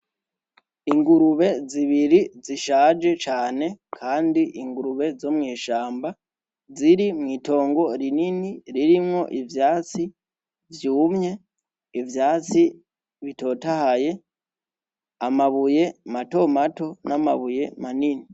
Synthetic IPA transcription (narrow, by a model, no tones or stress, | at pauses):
iŋɡuɾuβe̞ziβiɾiziʃaːd͡ʒe̞t͡ʃaːne̞kʰaːndiʔiŋɡuɾuβe̞zomŋiːʃaːmba | ziɾimŋiːto̞ːŋɡo̞ɾininiɾiɾimŋo̞ʔivjaːt͡si | vjuːmɲe̞ | ivjaːt͡si | βito̞ːtahaje̞ | amaβuje̞mato̞mato̞namaβuje̞manini